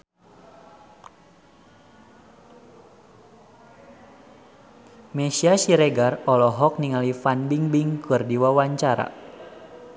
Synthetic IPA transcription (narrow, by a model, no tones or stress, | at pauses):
mɛsiasiɾeɡarɔlɔɦɔk̚niŋalifanbiŋbiŋkɨrdiwawaɲt͡ʃaɾa̰